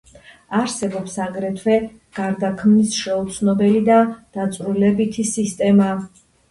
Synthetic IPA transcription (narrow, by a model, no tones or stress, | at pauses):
aɾsɛbɔpsaɡɾɛt̪ʰwɛ | ɡ̥aɾd̪akʰmnisʃɛut̪sʰnɔbɛlid̪ad̪̥at̪sʼɾulɛbit̪ʰisist̪ʼɛma